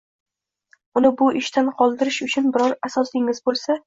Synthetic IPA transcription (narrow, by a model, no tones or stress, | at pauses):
ʊnɪbʊʔɪʃt̪ʰanqʰɒlˠd̪ɪɾɪʃʊt͡ʃʰʊnbɪɾɒɾasɒsd̪ɪŋɪzbolˠsa